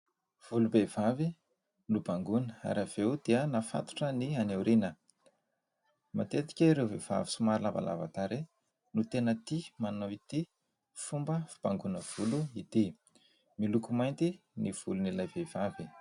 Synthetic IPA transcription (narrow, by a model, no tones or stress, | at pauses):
v̥ulubevavi | nubaŋɡunəa̰ɾav̥ewd̪̥iənafa̰t̪u̥ʈ͡ʂənianewɾinə | mat̪et̪i̥kʲəɾewvev̥a̰visumaɾilava̰la̰va̰t̪aɾe | nut̪enət̪imanowit̪i | fumbəvib̥aŋɡunəv̥uluit̪i | milukumajnt̪i | niv̥ulunilajvev̥avi